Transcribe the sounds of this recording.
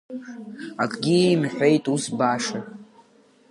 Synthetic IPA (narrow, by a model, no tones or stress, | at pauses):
akʼɡʲimħʷᶣe̞jtʼusbaʂa